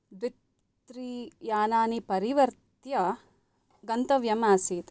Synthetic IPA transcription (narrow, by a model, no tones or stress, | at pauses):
d̪ʋit̪ | ɾijaːnaːnipɐɾiʋɐɾt̪jɐ | ɡɐnt̪ɐʋjɐmaːsiːt̪